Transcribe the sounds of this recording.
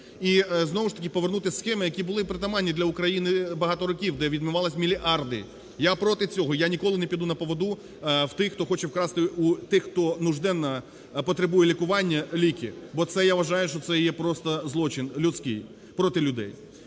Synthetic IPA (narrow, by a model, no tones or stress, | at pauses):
iznɔʋʊʃt̪ɐ̥kʲɪpɔʋernut̪ɪsxɛmɪjɐkʲibʊlˠɪpɾet̪ɐmɑnʲːid̪lʲɐʊkɾɐjinɪbɐɦɑt̪ɔɾɔkʲiwd̪ɛʋʲid̪mʊʋɑlˠɐsʲmʲilʲiʔɑrd̪ɪ | japɾɔt̪ɪt͡sʲɔɦɔjanʲikɔlˠɪnepʲid̪unɐpɔʋɔd̪u | wt̪ɪxt̪ɔxɔt͡ʃɛwkɾɑst̪ɪʔut̪ɪxt̪ɔnʊʒd̪ɛnːɐ | pɔt̪ɾebujɛlʲikʊʋɑnʲːɐlʲikʲɪbɔt̪sɛjaʋɐʒɑjʊʃt͡ʃɔt̪sɛjɛpɾɔst̪ɐzlˠɔt͡ʃɪnlʲʊt̪sʲkɪj | pɾɔt̪ɪlʲʊd̪ɛ̰j